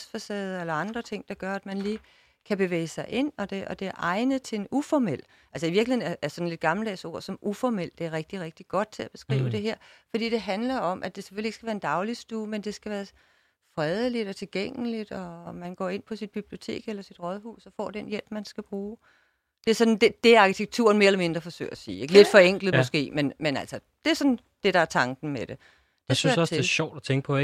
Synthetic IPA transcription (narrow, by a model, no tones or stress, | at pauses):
sfɒsɛðˠɐelɐɑ̈nd̥ʁɐt͡sʰe̝ŋ̰d̥ɑ̈ɡ̥ɶɐæd̥mænliː | kʰæb̥e̝ʋḛːɪsɑ̈ɪʔe̝n̰ɒ̽d̥e̝ɒ̽d̥e̝æɐʔɑ̈ɪnð̩ˠt͡sʰe̝enufɒmel̰ | æls̬əiʋiɐɡ̥l̩henæɐʔæsɒ̽nle̝d̥̚ɡ̥ɑ̈ml̩eso̝ɐ̰sɒ̽mʔufɒmel̰d̥e̝æɐʁɛɡ̥̚d̥iʁɛɡ̥̚d̥iɡ̥ɒ̽d̥̚t͡sʰe̝æb̥e̝̥sɡ̥ʁḭːʊəd̥e̝ɦeɐ̰fɒd̥ḭːd̥e̝ɦænlɐɒ̽mʔæd̥e̝sefølie̝ɡ̥sɡ̥æʋæːɐend̥ɑ̈ʊlisd̥uːmend̥e̝sɡ̥æʋæːɐ | fʁɛðˠəlid̥ɒ̽t͡sʰe̝lɡ̥eŋ̰lid̥ɒ̽mænɡ̥ɒ̰ːe̝n̰pʰɒ̽sid̥̚b̥ib̥lio̝t͡sʰe̝̰ːɡ̥elɐsid̥ʁɒðˠɦṵːsɒ̽fɒ̰ːd̥enjel̰b̥mænsɡ̥æb̥ʁuː | d̥e̝æɐsɒ̽dnd̥ed̥e̝æɑ̈kʰi̥t͡sʰeɡ̥̚t͡sʰṵɐn̩me̝ɐelɐme̝nd̥ʁɐfɒ̽sø̰ːɐæsḭːe̝ɡ̥le̝d̥fɒ̽eŋ̰ɡ̥lð̩mɔsɡ̥e̝̰ːmenmenæl̰sɒ | d̥e̝æɐsɒ̽n | d̥e̝ɾɑ̈æɐt͡sʰɑ̈ŋɡ̥n̩med̥e̝ | d̥esynsɒsʰe̥elɕɒʊ̰d̥æt͡sʰeŋɡ̥ə̥pʰɒ̽e